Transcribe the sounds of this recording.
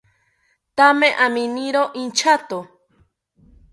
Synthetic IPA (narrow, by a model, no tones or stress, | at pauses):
t̪amẽʔamĩniɾoʔint͡ʃat̪o